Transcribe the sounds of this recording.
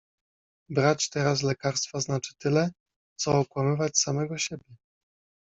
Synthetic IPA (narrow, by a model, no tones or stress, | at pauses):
bɾat͡ɕt̪ɛɾas̬lɛkaɾst̪faznat͡ʂɘ̥t̪ɘlɛ | t̪sɔːkwamɘvat͡ɕsamɛɡɔɕebʲjɛ